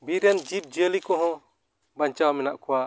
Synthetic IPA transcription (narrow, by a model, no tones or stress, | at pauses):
biɾjand͡ʒip̚d͡ʒelikɔɦɔ̃ | baɲt͡ʃawmɛnaʔkʰɔwa